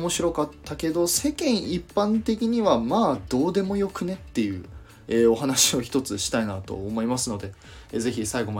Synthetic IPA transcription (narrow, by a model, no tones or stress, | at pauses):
mo̞ɕiɾo̞kat̪ʰːake̞d̪o̞se̞kẽ̞ɰ̃ipːãnt̪e̞k̬ʲiɲ̟iβamaːd̪̥o̞ːd̪e̞mo̞jo̞kɯ̟ne̞t̪ːe̞jɯ̟ː | eːo̞ɦanaɕio̞çi̥t̪o̞t͡sɨɕi̥t̪ainat̪o̞̰ːmo̞imasɨno̞d̪e̞ | ze̞çisaiɡo̞ma